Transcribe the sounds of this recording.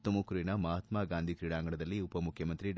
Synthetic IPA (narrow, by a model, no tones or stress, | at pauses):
t̪omukɾiɳɐmɐɦɐt̪maːɡaːnd̪ʱikɾiɽaːŋɡɐɳɐd̪ɐlːiupɐmukʰjɐmɐnt̪ɾiɖ